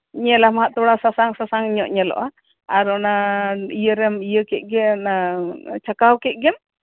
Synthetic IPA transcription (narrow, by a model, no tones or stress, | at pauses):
ɲɛlamaɦaʔt̪ɔɽasasaŋsasaŋiɲɔʔɲɛlɔ̰ʔa | aɾɔnaijəɾɛmijəkɛc̪̚ˀɡɛnat͡ʃakawkɛt̪̚ɡɛm